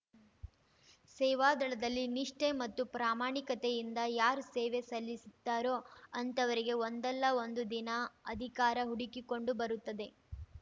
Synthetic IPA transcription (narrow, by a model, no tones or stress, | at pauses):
sɛːʋaːd̪ɐɭɐd̪ɐlːiniʂʈemɐt̪ːupɾaːmaːɳikɐt̪ejind̪ɐjaːɾuseːʋe̞sɐlːisit̪ːaːɾoɐnt̪ɐʋɐɾiɡe̞ond̪ɛlːɐo̞nd̪ud̪inɐɐd̪ʱikaːɾɐɦuɽikiko̞ɳɖubɐɾut̪ːɐd̪e̞